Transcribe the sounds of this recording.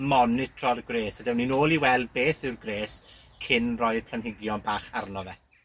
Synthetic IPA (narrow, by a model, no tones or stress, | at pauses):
mɔnɪtʰrɔrɡreːsadɛwninoːlˠiwɛlˠdbeːθɪwrɡreːs | kʰɪnrɔjð̥pʰl̥ˠanɦɪɡjɔnbaːχarnɔvɛ